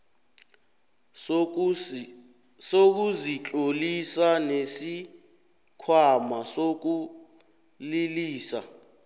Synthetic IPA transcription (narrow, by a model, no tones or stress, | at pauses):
sok̬uzit͡ɬʼolisanesi | kʰwamasok̬u | liliːsa̰